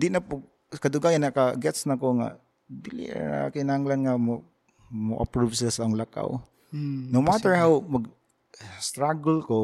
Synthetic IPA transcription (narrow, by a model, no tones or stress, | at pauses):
d̪ɪnapʊɡ̚ | kad̪ʊɡaːjanakaɡɛt̪snakoŋa̰ | bilɪ̰a̰kɪnahaŋlanŋamo | moʔa̰pɾuvsɪlasaaʊŋlaka̰w | nowmat̪əɹhawmaɡ̚ | st̪ɾaɡlko